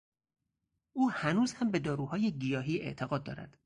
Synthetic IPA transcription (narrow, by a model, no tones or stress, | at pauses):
ʔuːhænuːz̥hæmbe̞d̪ɒːɾuːhɒːjeɡijɒːɦiːe̞̰ʔt̪ʰeɣɒːd̪̚ːɒ̰ːɾæ̰d̪̥